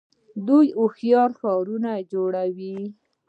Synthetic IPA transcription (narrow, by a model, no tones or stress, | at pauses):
d̪ujʊxjɑɾxɑɾunad͡ʒoɽawi